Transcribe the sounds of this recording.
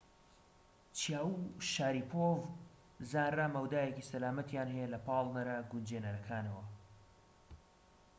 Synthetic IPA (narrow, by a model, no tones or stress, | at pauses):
t͡ʃʰijaːwuʃaːɾiːpʰov | zaːnramɐwd̪aːjecisɐlaːmɐt̪jaːnɦejɛlɐpʰɑːlˠnɐɾɐɡund͡ʒenɐɾɐkʰaːnɐwɐ